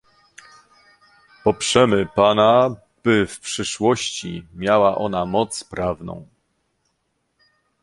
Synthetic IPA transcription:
pɔpʂɛmɘpana | b̥ɘfpʂɘʂwɔɕt͡ɕḭmʲjawaʔɔn̪amɔt̪spɾavnɔ̰̃w̃

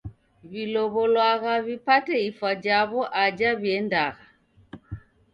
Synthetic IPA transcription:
βilɔβɔlwaɣaβipatɛifad͡ʒaβɔʔad͡ʒaβjɛndaɣa

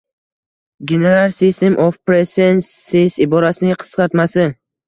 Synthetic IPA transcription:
ɡʲeneɾalˠsist̪emʔofpɾesenɪsɪbɒɾasɪnɪqʰɨ̥sqɑɾt̪masɪ

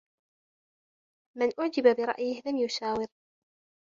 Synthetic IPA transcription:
manʔʊʕd͡ʒɪbabɪɾˤɑ̰ʔjɪhlamjʊʃaːwɪɾ

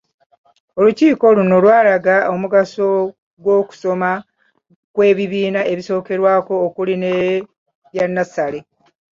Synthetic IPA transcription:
o̞luciːko̞luno̞lwaːlaɡaomuɡaso̞ | ɡwo̞ːku̥so̞ma | kwe̞ːβiβiːnae̞βiso̞ːke̞ɾwaːko̞ːkuline | βjanːasale̞

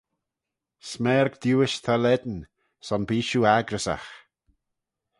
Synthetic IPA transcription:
smɛːɾɡd̪̥uːɪʃt̪ʰalɛd̪n̩ | sɔnbiːʃuaɡɾəsa̰x

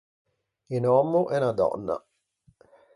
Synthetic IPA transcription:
inɔmːuʔɛnad̪ɔ̰nːa̰

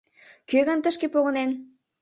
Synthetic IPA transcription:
køɣənt̪əʃkepoɣə̆nen

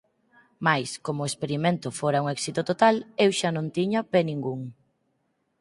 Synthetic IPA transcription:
majskomoespeɾimẽnt̪ʊfoɾauŋɛksit̪ot̪ot̪alewʃanõnt̪iɲapenĩŋɡuŋ

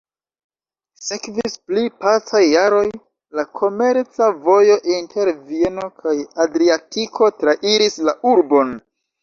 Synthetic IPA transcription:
se̞kvisplipat͡sajːaɾo̞j | lakʰo̞me̞ɾt͡savo̞jo̞ʔintʰe̞ɾvie̞no̞kʰajadɾiatikʰo̞tɾaʔiɾislauɾbo̞n

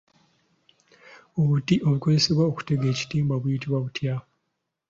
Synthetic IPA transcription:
oβutiʔo̞βukozese̞βwaoku̥te̞ɡe̞ːci̥tiːmbaβujitiβwaβutja

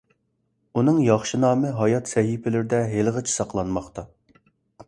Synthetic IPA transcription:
unɨŋjɑχʃinɑːmɨɦɑjɑt̪sɛɦipɪlɪɾɪd̪ɛɦelʁət͡ʃʰi̥sɑqlˠɑnmɑχt̪ɑ

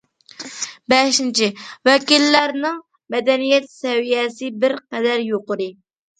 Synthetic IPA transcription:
bɛʃint͡ʃʰiwɛkʲilːæɾnɨŋ | mɛd̪ɛnijɛt̪sɛvijɛsɪbɪɾqɛd̪æɾjoqʊɾɨ

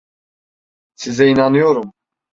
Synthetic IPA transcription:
t͡sʰizɛinanujɔɾum

